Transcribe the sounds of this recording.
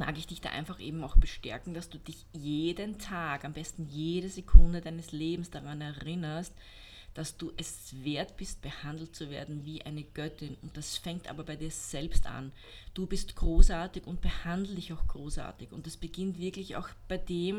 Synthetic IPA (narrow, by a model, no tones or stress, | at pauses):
ma̰ːɡɪçd̥ɪçd̥a̰ːʔɪnfaχʔḛːbm̩aʊxb̥əʃtɛ̰ɐkŋ̩d̥asd̥uːdɪçjeːdəntʰaːkambɛstn̩jeːɾəzekʰʊndədaɪnəsleːbm̩sd̥aʁanɛɐʁɪnɐst | d̥asd̥uːʔɛsveːɐtb̥ɪst̚b̥əhandl̩t̚t͡suvḛːɐdn̩viːʔa̰ɪnəɡ̥œtɪnʊnt̚d̥asfɛŋktʔa̰ːbɐbaɪdiːɐz̥ɛlpsta̰n | d̥uːbɪstɡ̥ʁoːsʔaːɐtɪkʊnt̚b̥əhandl̩dɪçaʊxɡ̥ʁoːsa̰ːɐtɪçʊ̰ntd̥asb̥əɡ̥ɪntv̥ɪɐklɪça̰ʊxb̥aɪdeːm